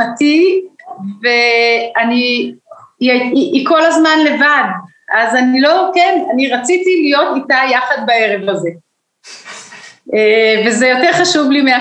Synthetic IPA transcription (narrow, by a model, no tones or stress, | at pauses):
ati | veani | aiʔːko̞lazmanle̞vad̪ | ʔazanilokenaniʁat͡sit̪ilijo̞t̪itajaχad̪̚bae̞ʁe̞vaze̞ | evezejo̞teʁχaʃuvlimea